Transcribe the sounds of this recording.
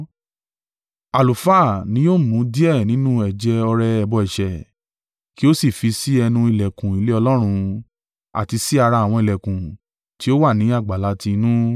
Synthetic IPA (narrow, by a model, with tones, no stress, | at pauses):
a˨lu˨fa˦˨nĩ˨˦jo˦˨mũ˨˦di˦ɛ˦˨nĩ˨˦nũ˦ɛ˨d͡ʒɛ˧ɔ˧ɾɛ˧ɛ˧bɔ˧ɛ˨ʃɛ˨ | ki˦o˦si˦˨fi˧si˦ɛ˧nũ˧i˨lɛ˨kũ˨i˨˧le˦ɔ˧lɔ˦ɾ̃ũ˧ | a̰˨ti˧si˦a˧ɾa˧˨w̃ɔ̃˧i˨lɛ˨kũ˨ | ti˨˦o˦wa˦˨nĩ˨˦a˦˨ɡ͡ba˨la˨˧ti˧nũ˦